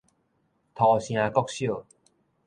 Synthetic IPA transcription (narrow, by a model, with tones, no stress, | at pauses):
t̪ʰɔ˨˩ɕj̃ã˧kɔ˦k̚ɕjo˥˨